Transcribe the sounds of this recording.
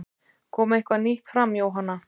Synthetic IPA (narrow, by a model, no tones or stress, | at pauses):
kʰɔːmaehkvaniht̪fɾamːjaːwɦanːa